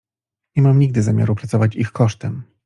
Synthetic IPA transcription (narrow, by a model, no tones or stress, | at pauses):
ɲɛmamɲiɡ̚d̪ɘzamʲja̰ɾupɾat̪sɔvat͡ɕixkɔʂt̪ɛm